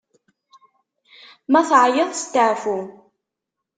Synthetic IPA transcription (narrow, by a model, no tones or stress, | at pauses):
mæθʕjəðˤst̪ːəʕfu